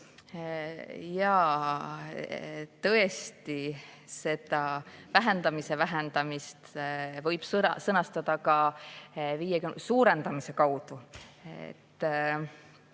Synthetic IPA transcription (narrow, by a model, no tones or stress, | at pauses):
jɑ | t̪ɤe̞st̪ise̞t̪ɑvæɦe̞nd̪̥ɑmise̞væɦend̪ɑmist̪vɤjb̥ssɤnɑst̪ɑd̪̥ɑkɑ | vijekysuːɾe̞nd̪̥ɑmise̞kɑwd̪̥uḛt̪ː